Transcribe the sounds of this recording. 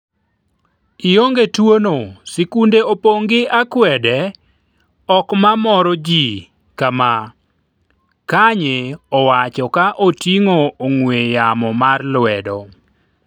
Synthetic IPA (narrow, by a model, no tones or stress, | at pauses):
ioŋɡetwonosikundeopoŋɡɪʔakwɛdɛ | ɔkmamɔɾɔd͡ʒi | kama | kaɲeɔwat͡ʃɔkaʔotiŋoːŋwejamɔmarlwɛdɔ̰